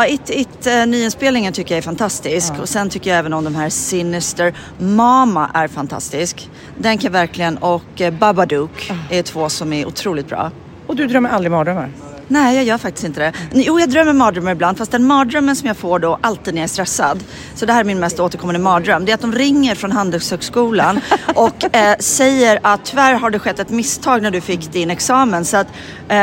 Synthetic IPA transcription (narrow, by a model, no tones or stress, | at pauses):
ɪt̪ɪt̪ːnyːɪnspeːlnɪŋənt̪ʰʏkːəjaɛɾfant̪ʰast̪ɪskʰɔsɛnt̪ʰʏkːəɾjaɛːvənɔmd̪ɔmɦæːɾsɪnɪst̪əɾ | mɑːmaʔæɾfant̪ʰa̰st̪ɪsk | d̪ɛnkʰanjavæɾklɪɡənɔkːbabad̪uːkæʈʰv̥oːsɔmæɾʔʊ̰t̪ʰɾuːlɪt̪bɾɑ̰ː | ɔd̪ɵd̪ɾœmːəɾʔald̪ɾɪmɑːd̪ɾœmːa̰ɾ | nɛɪjɑːjœːɾfak̚t̪ɪ̥st̪ɪnt̪əd̪ɛjuːjɑːɡd̪ɾœmːəɾmɑːd̪ɾœmːaɾɪbland̪fast̪̚d̪ɛnmɑːd̪ɾœmːənsɔmjɑːɡfoːɖɔʔalt̪iːd̪nːæst̪ɾɛsːa̰d̪ | sɔd̪ɛhæːɾæɾmɪnmɛst̪oːt̪əɾkʰɔmːand̪əmɑːd̪ɾœmːd̪ɛɾat̪̚d̪ɔmɾɪŋːəɾfɾɔnɦand̪ɛlshøːɡskuːlanʔɔksɛjəɾat̪ʰːʏvæɾɦaɖɛɧɛt̪ːɛt̪mɪst̪ʰɑːɡnæɖɵfɪkːd̪ɪnɛksɑːmənsɔat̪